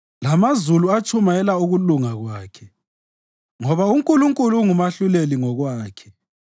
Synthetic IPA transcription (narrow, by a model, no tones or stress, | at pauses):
lamazuluat͡ʃʰʼumajɛlauɣuluŋaɣwaːkʰɛ | ŋɔβauŋkʼuluŋkʼuluŋumaɬuleliŋɔɣwaːkʰɛ̥